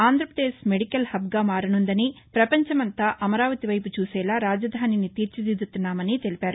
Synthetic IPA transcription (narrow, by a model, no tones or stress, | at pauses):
aːnd̪ɾɐpɾɐd̪eːsmeɽikɐlhɐbɡaːmaːɾɐnund̪ɐnipɾɐpɐɲt͡ʃɐmɐnt̪aːʔɐmɐɾaːʋɐt̪iʋɐjput͡ʃuːsɛːlaːɾaːd͡ʒɐd̪ʱaːninit̪iːɾt͡ʃid̪id̪ut̪unːaːmɐnit̪e̞lipaːɾu